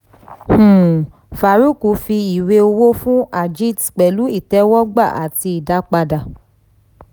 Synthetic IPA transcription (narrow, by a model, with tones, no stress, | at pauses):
h̩˨ | fa˨ɾu˦ku˨fi˧i˨we˧o˧wo˦fũ˦a˨d͡ʒi˦tk͡pɛ˨lu˨˦i˦˨tɛ˨˦wɔ˦ɡ͡ba˦˨ʔa̰˨ti˧i˨da˨˦k͡pa˧da˨